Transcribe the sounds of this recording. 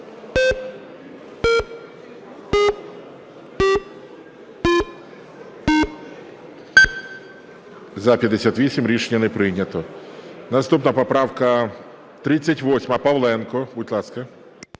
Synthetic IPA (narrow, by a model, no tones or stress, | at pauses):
zɐpʲjɐd̪esʲat̪ʋʲisʲimɾʲiʃenʲːɐnɛpɾɪjnʲɐt̪ɔnɐst̪upnɐpɔpɾɑwkɐ | t̪ɾɪt͡sʲːɐtʲʋɔsʲmɐpɐʋlˠɛnkɔbutʲlˠɑskɐ